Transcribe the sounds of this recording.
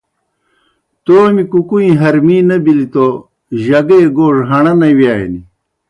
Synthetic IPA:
t̪oːmikukuĩɦɐɾmiːnɐbilit̪o | ʑɐɡejɡoːʐɦɐɳɐnɐwjaːjḛni

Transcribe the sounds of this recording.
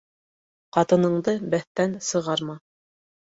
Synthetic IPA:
qɑt̪ɤ̆nɤ̆ɴd̪ɤbæθt̪ænsɤ̆ʁɑɾmɑ

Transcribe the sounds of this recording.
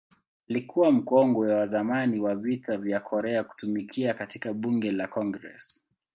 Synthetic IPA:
alikʰuwam̩kɔŋɡɔwawazamaniwavitavjakʰɔɾɛaku̥tumikʰiakatikaɓuŋɡɛlakɔŋɡɾɛ̰s

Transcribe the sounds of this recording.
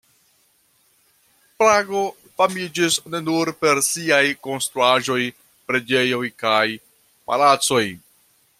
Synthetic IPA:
pɾaɡo̞ | famid͡ʒisne̞nuɾpe̞ɾsiajko̞nst̪ɾuaʒo̞j | pɾe̞d͡ʒe̞jo̞jkaj | pa̰lat͡so̞j

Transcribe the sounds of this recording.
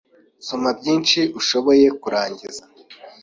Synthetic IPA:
somabɟiːnʃiʔuʃo̞βo̞je̞kuɾaːɲɟiza

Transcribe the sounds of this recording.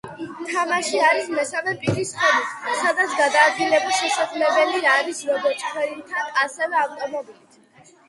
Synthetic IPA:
t̪ʰamaʃiaɾismɛsavɛpʼiɾisχɛmissad̪at̪sʰɡad̪aːd̪ɡilɛbiʃɛsaqʼlɛbɛliaɾisɾɔbɔt͡ʃʼχʰwɛɾit̪ʰanasɛvɛavt̪ʼɔmɔbilit̪ʰ

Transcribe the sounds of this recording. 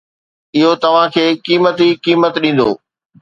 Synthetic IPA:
ɪɦot̪ɐʋ̤ãkʰeːkiːmət̪ikiːmət̪ɗĩːn̆d̪o̰ː

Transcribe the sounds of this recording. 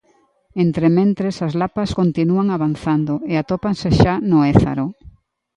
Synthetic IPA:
ent̪ɾemẽnt̪ɾesazlapaskont̪inuaŋaβanθand̪ʊeat̪opaŋseʃanʊeθa̰ɾo

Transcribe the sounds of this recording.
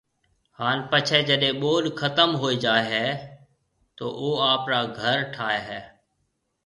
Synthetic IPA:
haːnpət͡ʃʰeːd͡ʒəɗẽːɓoːlkʰət̪əmɦoːiːd͡ʒaːeɦɛː | t̪oːʔoːaːpɾaːɡʱəɾʈʰaːeːɦɛː

